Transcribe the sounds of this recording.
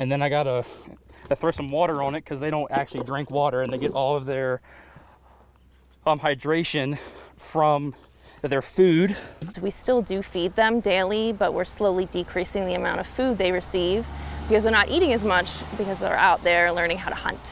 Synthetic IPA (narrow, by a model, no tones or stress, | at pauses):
ɨ̃nðɨ̃naɪɡɑɾə | ɨθɹoʊsʌ̃mwɔɾə˞ə̃nɨt̚kʰʌzðeɪɾõʊ̃ntæk̚t͡ʃʉl̩ˠidɹɪ̃ŋkwɔɾə˞ɨ̃nðeɪɡɛɾʔɔlˠʌvðə˞ | ʌ̃mhaɪdɹeɪʃɨ̃nfɹʌ̃m | ðə˞fʉd̥wistɪlˠdɨfid̪̚ðɨ̃mdeɪlˠibʌʔ̚wɪ̰ɹsloʊlˠidikʰɹ̥isɪ̃ŋðiɨmãʊ̃ɾ̃ʌv̥fʉd̪̚ðeɪɹɨsivb̥ɨkʰʌzðə˞nəɾʔiɾɪ̃ŋɨzmʌt͡ʃb̥ɨkʌzðə̰˞ʔa̰ʊt̪̚ðə˞lɜ̃˞nɪ̃ŋɦaʊɾʔəhʌ̰̃nt